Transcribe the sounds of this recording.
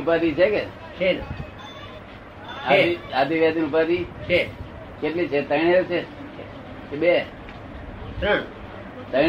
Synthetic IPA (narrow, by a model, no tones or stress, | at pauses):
upat̪it͡ʃʰeke | t͡ʃʰe | aeat̪iʋjat̪inupat̪it͡ʃʰe | keʈlit͡ʃʰet̪əiɽ̃elt͡ʃʰe | kebe | t̪ɾəɳ | t̪əj